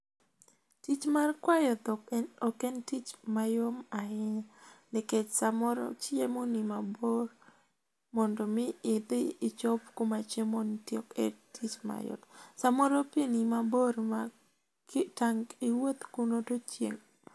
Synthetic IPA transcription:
tit͡ʃmarkwajɔt̪ɔɔkɛntit͡ʃmajomaɪnanɪket͡ʃsamɔɾɔ̰t͡ʃemonimabor | mɔndɔmɪɪd̪ɪːt͡ʃɔpkomat͡ʃemontjɔketʰit͡ʃma̰jɔ̰t̪samɔɾopenimaboɾma | taŋɡɪwot̪kunotot͡ʃjḛŋ

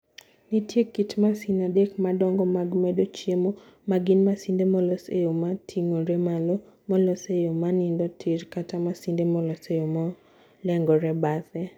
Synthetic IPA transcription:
nitjekitmasinadekmadɔŋɡɔmaɡmɛdot͡ʃjemo | maɡɪnmasindemɔlɔsejomatʰiŋoɾɛmalɔ | mɔlɔsejomanɪndɔtʰɪɾkatamasindemɔlɔsejomɔ | lɛŋɡɔɾɛbatɛ

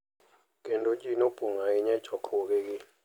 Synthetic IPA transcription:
kɛndot͡ʃʼinob̥ʱʼuŋaiɲɛt͡ʃʰʼɔkʰok̬ɛk̬i

